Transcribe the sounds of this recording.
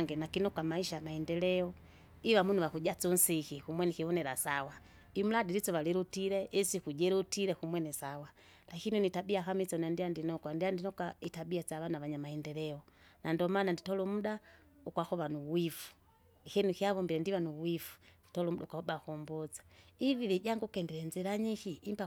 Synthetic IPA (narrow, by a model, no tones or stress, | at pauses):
ŋɡɛnakinɔkamaiʃaamahɛndɛlɛɔ | iwamunuwakuɟat͡sun̩sikikumwɛnikiβɔnɛɾasawa | imuladiɾit͡sɔβalɛɾutiɾɛʔisikud͡ʒɛɾutiɾɛkumwɛnɛsawa | lakininitabiakamit͡sɔnandiandinɔkwandiandinɔkaitabiat͡saβanaβaɲamahɛndɛɾɛɔnandɔmananditɔlumuda | ukwaxɔβanuwifu̥ | kɛnukiaβɔmbiɾɛndiwanuwifu̥ndi̥tɔlɔm̩udaukwahɔbakɔmbɔt͡sḁiviβiɟaŋɡukɛndɛɾɛnzɛɾaɲikiːmpa